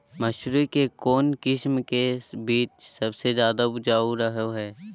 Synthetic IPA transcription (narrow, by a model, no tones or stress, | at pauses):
mɐʃɾukekoːnkɪʃmkebiːt͡ʃsɐbsed͡ʒjaːd̪abʊd͡ʒaːoɾɐɦoɦɛː